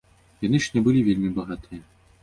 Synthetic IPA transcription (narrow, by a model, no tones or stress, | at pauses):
janɨʂnʲɛbɨlʲivʲelʲmʲibɐɣat̪ɨjɛ